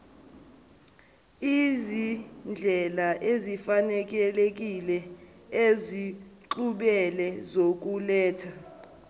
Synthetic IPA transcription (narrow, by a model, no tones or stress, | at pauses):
izind͡ɮʱɛlaʔezifanɛk̬ʼɛlek̬ʼilɛ | eziǃuɓɛlɛzok̬ulɛːtʰa